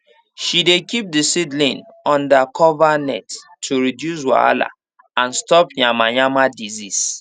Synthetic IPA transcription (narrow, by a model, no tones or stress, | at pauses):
ʃidekip̚disidlĩnɔ̃ndakʰɔvanɛtʰː | uɹidjus̬wa̰a̰la̰ | ãnstɔpɲamaɲamadizis